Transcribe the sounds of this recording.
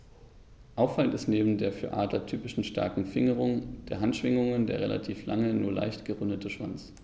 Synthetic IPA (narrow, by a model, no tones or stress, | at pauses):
ʔaʊfaləntɪstneːbm̩deːɐfyːɐʔaːdlɐtʰyːpɪʃn̩ʃta̰ɐkŋ̩fɪŋəʁʊŋd̥eːɐɦantʃv̥ɪŋʊŋəndḛːɐʁela̰tʰiːflaŋənuːɐla̰ɪçtɡ̥əʁʊndətʰəʃv̥a̰nt͡s